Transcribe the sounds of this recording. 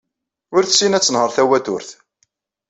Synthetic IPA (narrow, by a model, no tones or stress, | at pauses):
ʊɾθsinæt͡sːənhəɾθæwæt̪ʊ̰ɾθ